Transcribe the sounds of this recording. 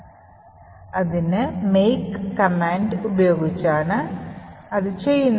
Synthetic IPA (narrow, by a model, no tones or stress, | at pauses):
ɐðinɨmejkːɐmaːɳɖubɐjo̞ːɡit͡ɕːaːɳɨ | ɐðɨt͡ɕe̞jːunː